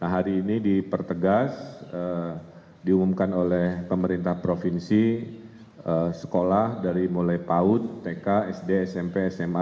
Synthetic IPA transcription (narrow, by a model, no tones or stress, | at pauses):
nahɦaɾiːnidipərt̪əɡasə | diumumkanolɛhpəməɾint̪ahpɾofinsi | əsə̥kolahdaɾimolajpaʊt̪ːekaɛsdeːsɛmpeːsɛma